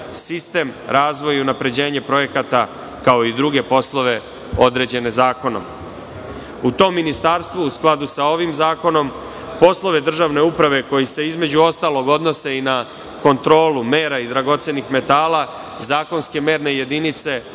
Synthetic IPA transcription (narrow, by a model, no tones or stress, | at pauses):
sist̪e̞ːmɾʔaːzʋo̞jiunapɾe̞d͡ʑe̞ːɲe̞pɾo̞je̞kat̪a | kao̞id̪ɾuɡe̞po̞slˠo̞ʋe̞ | o̞d̪ɾe̞ːd͡ʑe̞ne̞zaːko̞no̞̰m | ut̪o̞ːmːinist̪aːɾst̪ʋuːsklˠad̪usao̞ʋimzaːko̞no̞m | po̞slˠo̞ʋe̞d̪r̩ʒaʋne̞upɾaʋe̞ko̞jise̞izme̞d͡ʑuo̞st̪aːlˠo̞ɡo̞d̪no̞se̞ina | ko̞nt̪ɾo̞ːlume̞ːɾaid̪ɾaɡo̞t̪senixme̞t̪aːla | zaːko̞nske̞me̞ːɾne̞je̞d̪init̪se̞